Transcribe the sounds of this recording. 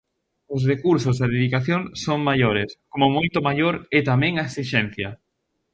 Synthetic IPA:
ʊs̬rekuɾsʊzɐðeðikaθjoŋsoŋmaʎoɾeskomomojt̪ʊmaʎoɾɪt̪amɛ̃ŋaɐesiʃɛn̟θjɐ

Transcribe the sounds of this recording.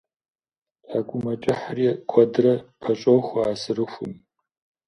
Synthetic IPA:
tʰakʷʼʊmɐt͡ʃʼɪħrikʷʰɐdɨrɐpʰɐt͡ʃʼowxʷɐaːsɨrɨxʷʊ̰m

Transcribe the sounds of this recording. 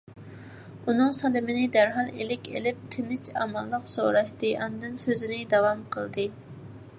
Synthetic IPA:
unɨŋsɑlˠɪmɪnɪd̪æɾɦɑlˠelɪkʲḛlɪp̚t̪ʰɪnɪt͡ʃʰɑ̰mɑlˠːəqso̰ɾɑʃt̪ɨʔɑnd̪ɨnsøzɪnɪd̪ɑwɑmqʰəlˠd̪ɨ

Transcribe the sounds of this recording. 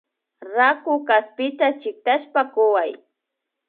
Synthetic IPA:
ɾakʊkaspɪt̪at͡ʃɪk̚t̪aʃpakʊwaj

